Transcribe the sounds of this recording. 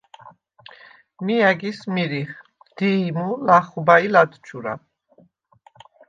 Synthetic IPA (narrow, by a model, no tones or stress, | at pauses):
miaɡismiɾiχ | d̪̥imulaχubailad̪t͡ʃʰuɾa̰